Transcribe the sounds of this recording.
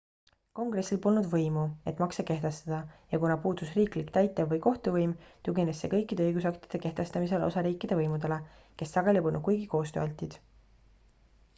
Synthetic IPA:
ko̞ŋɡ̥re̞sːilpo̞lnud̪vɤjmue̞t̪ˑmɑkseke̞ht̪e̞st̪ɑd̪̥ɑjɑkunɑpuːd̪̥usriːklikt̪æjt̪ːˑevːɤjko̞ht̪uvɤjmt̪uɡine̞sːe̞̰kɤjkːˑid̪e̞ɤjɡusɑkt̪i̥d̪̥e̞ke̞ht̪e̞st̪ɑmise̞lo̰sɑɾiːkːˑid̪̥e̞vɤjmud̪̥e̞le̞ | ke̞sːɑɡ̥elʲipolnud̪̚kujɡiko̞ːst̪øʔɑlʲt̪ʲˑːid̪̥

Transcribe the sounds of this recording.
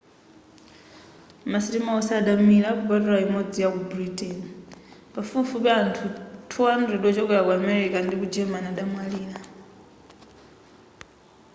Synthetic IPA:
masitimaɔsaɗamiɺakupatuɾaimɔd͡zijakubɾitʰʼɛnipafufuβɛantʰutʰuandɾɛɗɔt͡ʃɔkɛɾakuamɛɾikandikud͡ʒɛmanaɗamwaliːla

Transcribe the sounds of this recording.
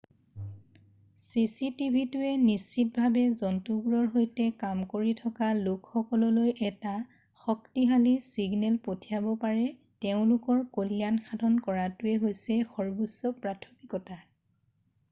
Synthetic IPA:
sisitibʱitʊɛnist͡ʃit̚bʱabɛzɔntuɡuɹɔɹɦojtɛkamkoɹitʰɔkalʊkxɔkɔlɔlojʔɛta | xɔktiɦalisiɡnɛlpotʰijabɔpaɹɛ | teʊ̃lʊkɔɹkolianxadʱɔnkɔɹatʊɛɦojsɛxɔɹbusɔpɹatʰɔmikɔta

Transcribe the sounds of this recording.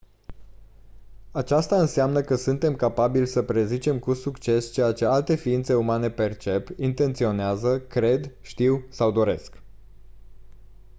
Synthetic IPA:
at͡ʃast̪aɨnseamnəkəsunt̪e̞mkapabilʲsəpɾe̞zit͡ʃe̞mkusukt͡ʃe̞st͡ʃe̞jat͡ʃe̞alt̪e̞fiint̪se̞umane̞pe̞rt͡ʃe̞pint̪e̞nt̪sio̞neazəkɾe̞d̪ʃt̪iwsawd̪o̞ɾe̞̰sk

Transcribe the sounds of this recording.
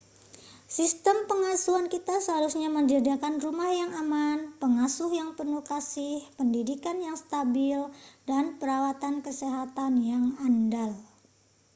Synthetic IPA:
sist̪əmpəŋasuankit̪asəɦaɾusɲaməɲd͡ʒadakanrumahjaŋamanpəŋasʊhjaŋpənukasɪhpəndidikanjaŋst̪abɪldanpəɾawat̪ankəseɦat̪anjaŋandal

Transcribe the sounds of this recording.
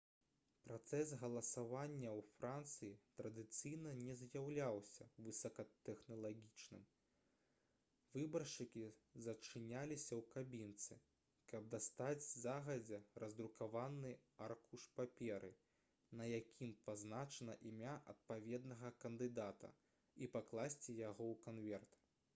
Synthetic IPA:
pɾat̪sɛs̬ɣɐlˠɐsavanʲːɐwfɾant̪sɨjit̪ɾɐd̪ɨt̪sɨjnɐnʲɛzjawlʲawsʲɐvɨsɐkɐt̪ɛxnɐlˠaɣʲit͡ʂnɨm | vɨbɐrʂɨkʲizɐt͡ʂɨnʲalʲisʲɐwkabʲint̪sɨ | kɐb̚d̪ast̪ad͡zʲzaɣɐd͡zʲɛrɐzd̪ɾukavanːɨarkuʂpapʲɛɾʔɨ | nɐjakʲʰimpaznat͡ʂɐnɐʔimʲaʔɐ̰t̪̚pavʲɛd̪nɐɣɐkɐnd̪ɨd̪at̪ɐ̰ | ipaklˠasʲt͡sʲijaɣɔwkanvʲɛrt̪

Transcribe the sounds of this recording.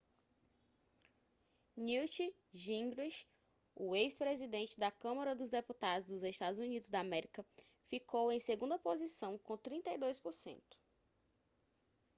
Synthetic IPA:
niwt͡ʃi | ʒĩŋɡɾiʃ | uejspɾezid̪ẽnt͡ʃɪd̪ɐkɐ̃mɐɾɐd̪ʊzd̪eput̪ad̪ʊzd̪ʊzeʃt̪ad̪ʊzunid̪ʊzd̪ɐamɛɾikɐ | fikowẽj̃seɡũnd̪ɐpozisɐ̃w̃kõt̪ɾĩnt̪ɐjd̪ojspoɾsḛ̃nt̪ʊ̥

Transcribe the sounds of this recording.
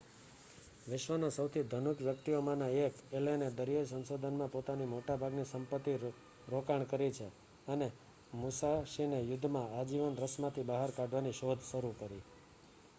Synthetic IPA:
ʋɪʃʋanasəwt̪ʰid̪ʱənukʋjəkt̪iomãnaekelened̪əɾijasənsod̪ʱənmãpot̪animoʈabʱaɡnisəmpət̪ːi | ɾokaɳkəɾit͡ʃʰe | əne | musaʃinejʊd̪ʱːmãad͡ʒiʋənɾəsmãt̪ʰibaɦaɾkaɖʱʋaniʃod̪ʱʃəɾukəɾi

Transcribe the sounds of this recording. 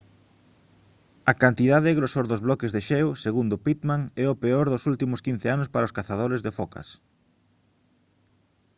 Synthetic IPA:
ɐkant̪iðaðɪeɣɾosoɾðozβlɔkezðeʃɛwseɣund̪ʊpit̪maŋɛopeoɾðʊsult̪imʊskin̟θeanʊspaɾaoskaθað̞oɾezðefokɐ̰s

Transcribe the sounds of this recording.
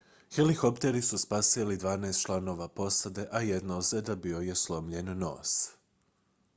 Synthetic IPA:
xelikopt̪eɾisuspasilid̪ʋaːnajst̪t͡ʃlˠano̞ʋapo̞sad̪e̞ʔajed̪naosed̪abio̞jeslˠo̞mʎenːo̞ːs

